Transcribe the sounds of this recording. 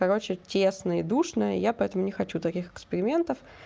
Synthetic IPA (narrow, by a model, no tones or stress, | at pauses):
kɐɾo̞t͡ɕɪtʲesnəɪd̪uʂnəjəjapɐɛt̪əmʊnʲɪxɐt͡ɕut̪ɐkʲixɪkspʲɪɾʲɪmʲe̞nt̪əf